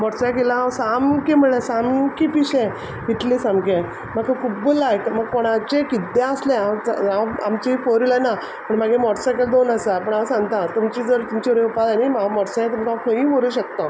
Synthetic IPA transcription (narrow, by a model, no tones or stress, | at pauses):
mɔʈsajk̬elãsamkiməɭɭesamkipiɕẽ | ʋit̪lisamkẽ | məɡkəkʰubəlajk̪məɡ̚koɽ̃at͡ɕekid̪ãəslẽaaamt͡ɕifoɾilana | pəɳmaɡemɔʈsakəld̪onəsapəɳaãsãŋɡt̪ãt̪umt͡ɕiːd͡zəɾt̪umt͡ɕiʋɾeupad̪animamɔɽsãjẽt̪umkãkʰəɦĩːʋəɾuːɕək̚t̪a